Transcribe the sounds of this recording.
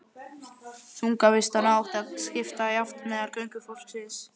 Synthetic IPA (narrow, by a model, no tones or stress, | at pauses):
θuŋkavɪst̪anaawht̪ascɪft̪ajaft̪mɛːðaɾkœɥŋkʏfɔl̥ksɪs